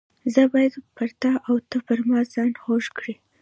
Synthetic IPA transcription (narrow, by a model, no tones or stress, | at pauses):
zəbɑjad̪paɾt̪ɑʔawt̪əpəɾmɑzɑnxoʒkɽi